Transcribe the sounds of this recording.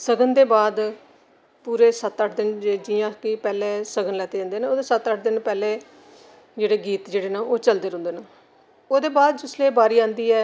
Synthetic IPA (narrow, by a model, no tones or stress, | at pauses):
səɡənd̪eːbaːd̪ | puːɾeːsət̪əʈʰd̪ɪnd͡ʒeːd͡ʒiːjãːkɪpɛːleːsəɡənlɛːt̪eːd͡ʒãːnd̪eːneːoːd̪eːsət̪əʈʰd̪ɪnpɛːleː | d͡ʒeːɽeːɡiːt̪d͡ʒeːɽeːnãːoːt͡ʃəld̪eːɾʊ̃nd̪eːna | oːd̪eːbaːd̪̚d͡ʒʊsleːbaːɾiːãːnd̪iːɛː